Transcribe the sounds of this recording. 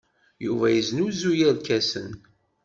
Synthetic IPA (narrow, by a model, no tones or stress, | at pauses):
juvæjəznuzujæɾkæsə̰n